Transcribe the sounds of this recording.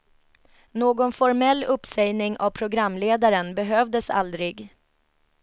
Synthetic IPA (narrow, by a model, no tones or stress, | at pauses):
noːɡɔnfɔɾmɛlːɵpsɛjnɪŋʔavpʰɾʊɡɾamːleːd̪aɾənbɛɦøːvd̪əsa̰ld̪ɾɪɡ